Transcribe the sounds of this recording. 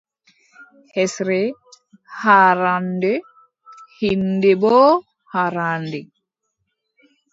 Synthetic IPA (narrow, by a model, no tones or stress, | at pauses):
hɛsɾɛ | haɾandɛ | hindɛbɔː | haɾandɛ